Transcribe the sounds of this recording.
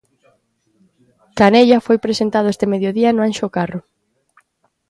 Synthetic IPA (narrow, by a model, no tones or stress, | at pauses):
kaneʎafojpɾesent̪aðʊest̪emeðjoðiɐnʊanʃokarʊ